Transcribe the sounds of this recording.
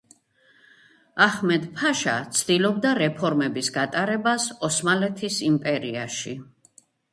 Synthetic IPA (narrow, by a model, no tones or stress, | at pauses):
aχmɛd̪pʰaʃa̰t̪sʰd̪ilɔb̚d̪aɾɛpʰɔɾmɛbisɡat̪ʼaɾɛbasɔsmalɛt̪ʰisimpʼɛɾiaʃi